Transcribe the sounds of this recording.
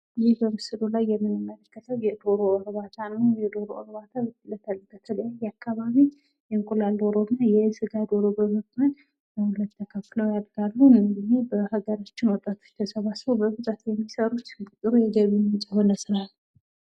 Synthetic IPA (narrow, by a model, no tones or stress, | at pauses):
jɪhbəmɨsɨlulajːɛmːɨnːɨmːələkːət̪ʰəwjɛd̪o̞ɾoəɾβat̪ʰanajɛd̪o̞ɾoʔəɾβat̪ʰalət̪ʰəlɡət̪ʰələjajːakːaβaβi | jɛŋkʼulalːowɾomjajɛsɨɡad̪oɾobəməkmən | nəhulət̪ʰːəkʰəfːləwjad̪ɡalːuɨɨɡɨnːebəhaɡəɾat͡ʃːɪnwɔt̪ʼːat̪ʰo̞̥t͡ʃt̪ʰəsəβasɾowbəbɨt̪ʼat̪jɛmːisəɾut͡ʃ̪kʼɨt̪ʼɨɾujɛɡəβimɨt͡ʃʼɪho̞nəsɨlalːu